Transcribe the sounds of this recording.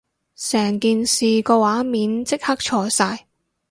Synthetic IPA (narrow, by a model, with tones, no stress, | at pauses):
sɛː˨˩ŋkiː˨nsiː˨kɔː˧waː˨˥miː˨˥nt͡sɪ˥k̚hɐ˥k̚t͡ʃʰɔː˧saː˧j